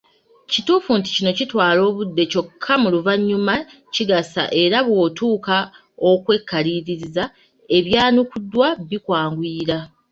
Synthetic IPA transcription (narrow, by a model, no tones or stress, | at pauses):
cituːfunti̥cino̞citwaːlo̞ːβudːe̞co̞kʰːamuluvaɲːuma | ciɡasa̰ʔe̞ɾaβwo̞ːtuːka | o̞kwe̞kʰːaliːɾiɾiza | e̞βjaːnukudːwaβikwaːŋɡwiːɾa